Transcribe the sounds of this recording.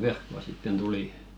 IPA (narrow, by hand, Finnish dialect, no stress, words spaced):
ʋerkːoɑ sitːen tuli